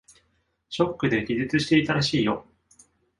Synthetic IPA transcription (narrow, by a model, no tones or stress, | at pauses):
ɕo̞kːɯ̟d̪e̞ɡʲiʑɨt͡sɨɕi̥t̪e̞it̪aɾaɕiːjo